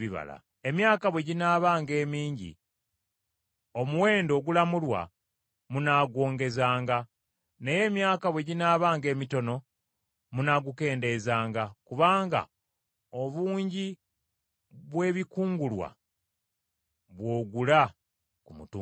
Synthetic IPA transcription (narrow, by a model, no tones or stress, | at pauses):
iβa̰la̰ | e̞mjaːkaβwe̞ɟinaːβaːŋɡe̞ːmiːɲɟḭ | o̞muwe̞ːndo̞ɡulamulwa̰ | munaːɡwo̞ːŋɡe̞zaːŋɡa | neje̞ːmjaːkaβwe̞ɟinaːβaːŋɡe̞ːmito̞no̞ | munaɡuke̞ːnde̞zaːŋɡakuβaːŋɡa̰ | o̞βuːɲɟi | βwe̞ːβikuːŋɡulwa̰ | βwo̞ːɡula | kumutu